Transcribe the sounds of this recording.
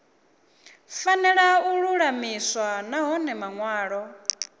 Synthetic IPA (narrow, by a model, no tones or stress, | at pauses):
fanɛɺauɺuɺamiswanaɦɔnɛmaŋwaːɺɔ